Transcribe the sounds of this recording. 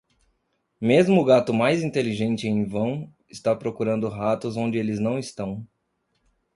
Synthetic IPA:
mezmʊʊɡat̪ʊmajzĩnt̪eliʒẽnt͡ʃɪẽj̃vɐ̃w̃ | ɪst̪apɾokuɾɐ̃nd̪ʊɦat̪ʊzõnd͡ʒɪelɪznɐ̃w̃ɪst̪ɐ̃w̃

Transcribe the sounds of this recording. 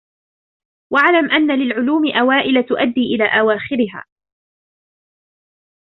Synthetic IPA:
waʕlamʔanːalɪlʕʊluːmɪʔawaːʔɪlat̪ʊʔad̪ːiːʔɪlaːʔawaːxɪɾɪɦa̰ː

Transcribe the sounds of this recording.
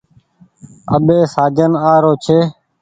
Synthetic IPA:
ə̰ɓeːsaːd͡ʒənaːɾoːt͡ʃʰeː

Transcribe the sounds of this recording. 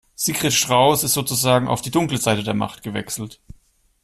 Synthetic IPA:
z̥iːkʁ̥ɛtʃtʁ̥aʊsɪstz̥oːt͡suzaːɡŋ̩a̰ʊfd̥iːdʊŋkləzaɪtədeːɐma̰χtɡ̥əvɛ̰ksl̩t

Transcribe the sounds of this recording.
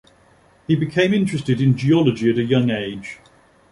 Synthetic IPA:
hibɪkʰẽɪ̃mɪ̃nt͡ʃɹ̥ɛstɪdɪ̃nd͡ʒiɒləd͡ʒiəɾəjʌ̃ŋeɪd̥ʒ̥

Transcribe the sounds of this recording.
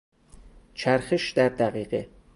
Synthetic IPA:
t͡ʃʰæɾxeʃd̪æɾd̪æɣiːɢe

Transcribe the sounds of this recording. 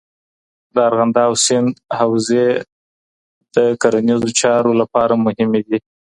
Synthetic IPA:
d̪əaɾɣand̪ɑːwsɪnd̪hawze | d̪̥əkaɾanizot͡ʃɑɾolapɑɾamʊhɪmed̪i

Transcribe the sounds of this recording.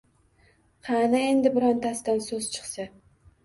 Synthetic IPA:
qʰɑnae̞nd̪ɪbɪɾɒnt̪ʰasd̪ansɵz̥t͡ʃʰɨ̥χsa

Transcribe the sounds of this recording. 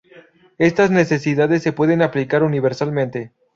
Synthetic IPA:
est̪azne̞se̞s̬iðaðe̞sːe̞pwe̞ðe̞naplikaɾuniβ̞e̞ɾsalmẽ̞nt̪e̞

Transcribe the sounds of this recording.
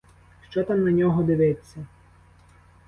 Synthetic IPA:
ʃt͡ʃɔt̪amnɐnʲɔɦɔd̪ɪʋɪt͡sʲːɐ

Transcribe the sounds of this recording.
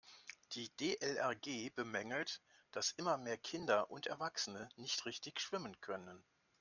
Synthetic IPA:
d̥iːdeːʔɛlʔɛɐɡeːbəmɛŋl̩td̥asʔɪmɐmeːɐkʰɪndɐʔʊntɛɐvaksənənɪçtʁɪçtɪçʃv̥ɪmənkʰœnən

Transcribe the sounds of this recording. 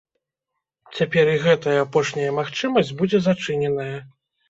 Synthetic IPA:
t͡sʲapʲɛɾiɣɛt̪ɐjɐːpɔʂnʲɐjɐmaxt͡ʂɨmɐsʲd͡zʲbud͡zʲɛzat͡ʂɨnʲɛnɐjɐ

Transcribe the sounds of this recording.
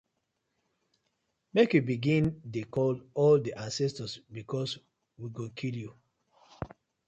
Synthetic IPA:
mekjubiɡĩndekɔlɔldiʔãnsɛstɔsbikʰɔs | wiɡõkʰilju

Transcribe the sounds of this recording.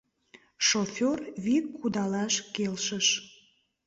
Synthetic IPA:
ʃofʲorβikʰːud̪ɑlɑʃkelʃəʃ

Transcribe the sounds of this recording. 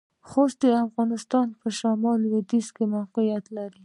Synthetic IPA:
xost̪̚deafɣɑnɪst̪ɑnpəʃamɑlwɪd̪iskemawqijat̪laɾi

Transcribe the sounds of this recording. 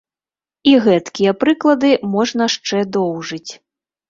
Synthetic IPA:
iɣɛt̪kʲijɐpɾɨklˠɐd̪ɨmɔʐnɐʂt͡ʂɛd̪ɔwʐɨt͡sʲ

